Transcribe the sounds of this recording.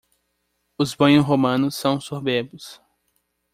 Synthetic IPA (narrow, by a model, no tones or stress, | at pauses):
ʊzbɐ̃j̃ʊsɦomɐ̃nʊsːɐ̃w̃sobebʊs